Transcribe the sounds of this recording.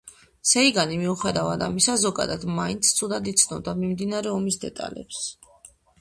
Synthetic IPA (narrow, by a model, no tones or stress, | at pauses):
sɛiɡanimiuχɛd̪avad̪amisazɔɡa̰d̪ad̪maint̪sʰt̪sʰud̪ad̪it̪sʰnɔbd̪amimd̪inaɾɛɔmisd̪ɛ̰t̪ʼa̰lɛ̰ps